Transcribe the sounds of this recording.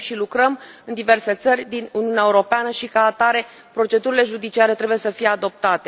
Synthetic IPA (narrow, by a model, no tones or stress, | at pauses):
ʃilukɾəm | ɨnd̪ive̞rse̞t̪sərʲd̪inuniuneaeuɾo̞peanəʃikaːt̪aɾe̞ | pɾo̞t͡ʃe̞d̪uɾile̞ʒud̪it͡ʃiaɾe̞t̪ɾe̞buje̞səfije̞ad̪o̞p̚t̪at̪e̞